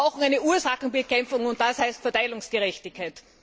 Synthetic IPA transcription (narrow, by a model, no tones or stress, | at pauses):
ʊxŋ̩æɪnəuːɐsaxŋ̩bɪkʰɛmfʊŋʊnt̚d̥ashaɪstfɛɐtaɪlʊŋsɡ̥əʁɛçtɪçkʰːaɪt